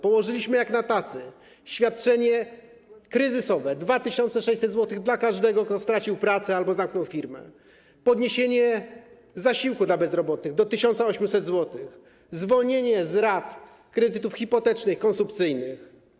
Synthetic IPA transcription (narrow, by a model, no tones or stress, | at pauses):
pɔwɔʐɘlʲiɕmɘjaknat̪at̪sɘ | ɕfʲjat̪̚t͡ʂɛɲɛ | kɾɘzɘsɔvɛd̪vat̪ɘɕɔnt̪sɛʂɛjt͡ɕsɛd̪zwɔt̪ɘɣd̪lakaʐd̪ɛɡɔkt̪ɔst̪ɾat͡ɕiwpɾat̪sɛalbɔzamknɔwfʲiɾmɛ̰ | pɔd̪ɲeɕeɲɛ | zaɕiwkud̪labɛzɾɔbɔt̪̚nɘɣd̪ɔt̪ɘɕɔnt̪saɔɕmʲusɛd̪zwɔt̪ɘx | zvɔlɲeɲɛzɾat̪ | kɾɛd̪ɘt̪ufxʲipɔt̪ɛt͡ʂnɘxikɔnsumpt̪sɘjnɘx